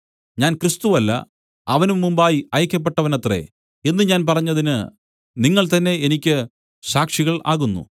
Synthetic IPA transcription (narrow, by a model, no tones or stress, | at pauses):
ɲaːnkrist̪uʋɐlːɐ̰ | ɐʋɐnumːumbaːjiɐjɐkʲːɐp̬ːe̞ʈːɐʋɐnɐt̪re̞̰ | e̞nːɨɲaːnp̬ɐrɐɲːɐðinɨ | niŋːɐɭt̪ɐnːe̞enikʲːɨ | ɕaːkʂiɣɐɭa̰ːɣunːṵ